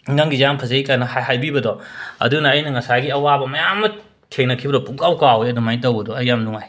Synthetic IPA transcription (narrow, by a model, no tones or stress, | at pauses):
ŋɐŋɡijampʰɐzɐikanɐhajɦajbibɐdɔɐ̰dunɐːjnɐŋɐsaɡiɐwabɐmɐjamːɐ | tʰeŋnɐkʰibɐɾɔpuŋkawkawjɐdumajtɐwbɐdɔɐjːamnuŋaj